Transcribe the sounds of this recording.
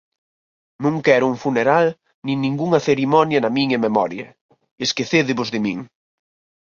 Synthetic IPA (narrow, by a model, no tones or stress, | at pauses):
nũŋkɛɾʊuŋfuneɾal | nĩŋnĩŋɡuŋɐθeɾimɔnjɐnɐmiɲɐmemɔɾjɐ | eskeθeðɪβʊzðɪmḭŋ